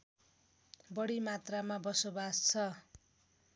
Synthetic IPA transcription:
bʌɽimat̪ramabʌsobast͡sʰʌ

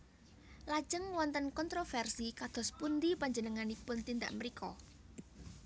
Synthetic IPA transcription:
lḁd͡ʒ̥əŋwɔnt̪ənkɔnt̪ɾofɛrsikad̪̥ɔ̤spund̪ipaɲd͡ʒənəŋanipʊnt̪ind̪a̰ʔməɾikʰɔ

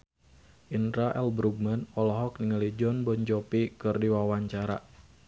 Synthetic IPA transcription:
ʔinɾaʔɛlbɾuɡ̚mənɔlɔɦɔk̚niŋalid͡ʒɔnbɔɲd͡ʒɔpikɨrdiwawaɲt͡ʃaɾa

